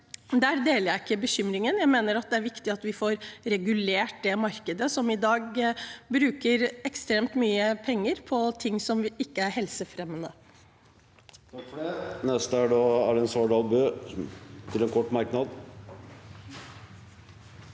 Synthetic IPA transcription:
d̪æːɾd̪eːləɾjæɪɪkːəbəçʏmɾɪŋənjæɪmeːnəɾɑt̪̚d̪ɛæɾʋɪkt̪ɪɑt̪ʋɪfoːɾɾɛɡʉleːʈ̚d̪ɛmɑɾkəd̪əsɔmɪd̪ɑːɡbɾʉːkəɾɛkst̪ɾeːmt̪myːəpʰɛŋːəɾpʰɔt̪ʰɪŋsɔmɪkːəæɾɦɛlsəfɾɛmːənə | t̪ʰɑkfɔɖɛnɛst̪əæɖɑːæ̰ɖɛɛnsoːɖɑːlbøː | t̪ʰɪlɛnkʰɔʈːmɑɾknɑd̪

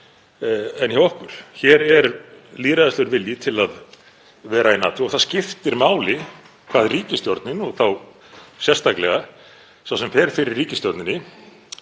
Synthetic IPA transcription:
ɛnçawɔhkʏɾ̥çɛɾɛɾliːɾaðast̪ɛɣʏɾvɪljɪt̪ʰɪlað | vɛːɾainaːt̪ʰʏɔɣθascɪft̪ɪɾmaːwlɪ | kʰvaːðriːcɪst̪jɔɾt̪nɪnɔɣθaw | sjɛrst̪aklɛɣa | sawsɛmfɛɾ̥fɪɾɪɾːiːcɪst̪jɔɾt̪nɪnɪ

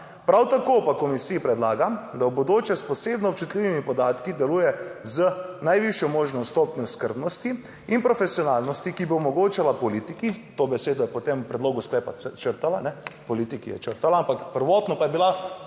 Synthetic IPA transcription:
pɾawt̪akopakɔmisiipɾɛd̪laːɡamd̪awbod̪oːt͡ʃjɛspɔseːbnɔp̚t͡ʃut̪lʲiʋimipɔd̪aːt̪kid̪ɛluːjɛzənajʋiʃjɔmoːʒnɔst̪oːpnʲɔskəɾbnɔst̪i | inpɾɔfɛsjɔnaːlnɔst̪ikiboɔmɔɡoːt͡ʃalapɔlit̪ikit̪obɛseːd̪ɔjɛpɔt̪emupɾɛd̪loːɡusklɛːpat͡ʃəɾt̪alanɛpɔliːt̪ikijɛ̰t͡ʃəɾt̪alaampakpəɾʋɔːt̪nɔpajɛbila

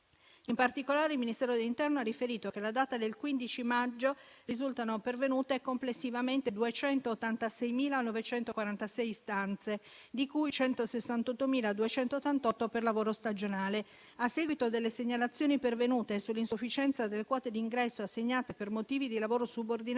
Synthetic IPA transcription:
impart̪ikolaːɾeilminist̪ɛːɾod̪elːint̪ɛrnoarːifeɾiːt̪okelad̪aːt̪ad̪elkwind̪it͡ʃimad͡ʒːorizult̪anopervenuːt̪ekomplesːivament̪ed̪uet͡ʃɛnt̪oːt̪ːant̪asɛjmiːlanovet͡ʃɛnt̪okwaɾant̪asɛjst̪ant̪se | d̪ikujt͡ʃɛnt̪osesːant̪ɔt̪ːomiːlad̪uet͡ʃɛnt̪ot̪ːant̪ɔt̪ːoperlavoːɾost̪ad͡ʒonaːle | asːeːɡwit̪od̪elːeseɲːalat̪sːjoːnipervenuːt̪esulːinsufːit͡ʃɛnt̪sad̪elːekwɔːt̪ed̪iːŋɡɾɛsːoasːeɲːaːt̪epermot̪iːvid̪ilavoːɾosubord̪in

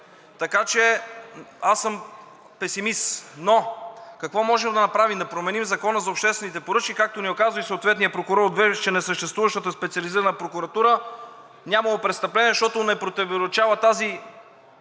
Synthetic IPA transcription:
t̪ɐkat͡ʃɛ | asəm | pɛsimist̪nokɐkvɔmɔʒɛmd̪ɐnɐpɾavimd̪ɐpɾomɛnimzɐkɔnəzɐopʃt̪ɛst̪vɛnit̪ɛpoɾɤt͡ʃkikak̚t̪oniokazvəisot̪vɛt̪nijəpɾokʊɾɔɾod̪vɛt͡ʃɛnɛsəʃt̪ɛst̪vuvəʃt̪ət̪əspɛt̪siɐliziɾənəpɾokʊɾɐt̪uɾə | nʲamɐlˠopɾɛt̪st̪ɐplɛniɛʃt̪ɔt̪ʊnɛpɾot̪ɛvoɾot͡ʃavət̪azi

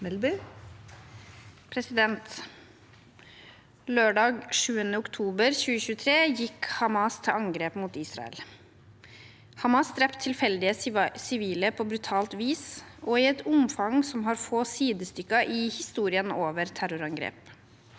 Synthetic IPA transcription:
mɛlby | pʰɾɛsɪd̪ɛnt̪ | løːɖɑːɡʂʉːənəʊkt̪ʰuːbəɾçʉːəɕʉːət̪ʰɾeːjɪkhɑmɑst̪ʰɪɑŋɡɾeːpmuːt̪iːsɾɑ̰ɛ̰l | hɑmɑsd̪ɾɛpt̪ʰɪlfɛld̪ɪəsɪʋiːləpʰobɾʉt̪ʰɑːlt̪ʋiːsʔɔɪɛt̪ʊmfɑŋsɔmɦɑːɾfoːsiːd̪əst̪ʏkːɑʔɪhɪst̪uːɾɪənoːʋəɾt̪ʰæɾʊɾɑŋɡɾḛːp

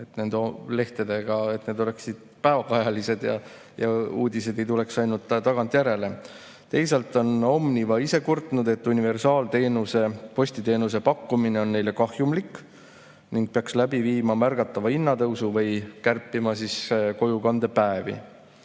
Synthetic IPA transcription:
e̞t̪ne̞nd̪le̞ht̪ed̪e̞ɡ̥ɑe̞t̪ːne̞d̪o̞le̞ksid̪̥̚pæevɑɡɑjɑlise̞d̪̥jɑ̰ | jɑuːd̪ise̞d̪e̞jt̪ule̞ksɑjnult̪ːˑt̪ɑɡ̥ɑnt̪ˑjæɾe̞le̞ | t̪e̞jselt̪ːˑo̞no̞mnivɑise̞kurt̪nud̪e̞t̪ːˑunive̞rsɑːlt̪e̞ːnuse̞po̞sʲt̪it̪e̞ːnus̬e̞pɑkːumine̞o̞nːe̞jle̞kɑhjumlikː | niŋɡ̥̚peɑkslæbiviːmɑmærɡ̥ɑt̪ːˑɑvɑinːɑt̪ɤwsuvɤjkærpːˑimɑsisko̞jukɑnd̪̥e̞pæevḭ

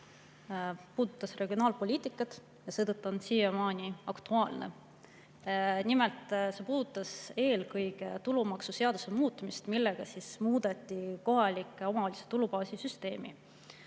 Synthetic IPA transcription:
puːd̪ut̪ˑːɑsre̞ɡ̥io̞nɑːlpo̞lʲiːt̪ˑikːˑɑt̪ˑ | jɑse̞ːt̪ɤt̪ːuo̞nsiːemɑːnʲiɑkt̪uɑːlne̞̰ | nime̞lt̪ˑse̞puːd̪ut̪ːˑɑse̞ːlkɤjɡ̥e̞t̪ulumɑksuse̞ɑd̪̥use̞muːt̪ːˑmist̪milːe̞ɡ̥ɑsismuːd̪̥e̞t̪ʲːiko̞ɦɑlʲikːˑeo̞mɑoːlʲise̥t̪ulupɑːsisyst̪e̞ːmḭ

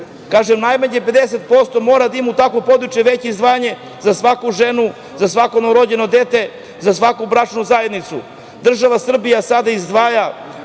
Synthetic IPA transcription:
kaːʒemnajmaɲeped̪eset̪̚po̞st̪o̞mo̞ːɾad̪aimut̪akʋo̞po̞d̪ɾut͡ʃjeʋe̞t͡ɕeizd̪ʋaːjaɲe̞ | zasʋakuʒenu | zasʋakonoɾo̞d͡ʑe̞no̞d̪et̪e̞ | zasʋakubɾat͡ʃnuzaje̞d̪nit̪su | d̪r̩ʒaʋasr̩bijasad̪aizd̪ʋaːja

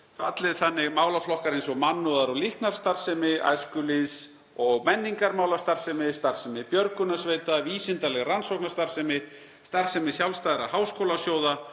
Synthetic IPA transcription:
fat̪lɪðθanːɪɣmaːwlaflɔhkaɾejnsɔɣmanːʏðaɾawlihknaɾ̥st̪aɾ̥sɛmɪa̰jðskʏlis | ɔɣmɛnːiŋkaɾmaːwlast̪aɾr̥sɛmɪst̪aɾ̥sɛmɪpjœɾkʏnasveːjt̪aviːsɪnt̪alɛɣransowknast̪aɾ̥sɛmɪ | st̪aɾ̥sɛmɪsjawlst̪ajðɪɾa̰haːwskoːwlasjoːwða

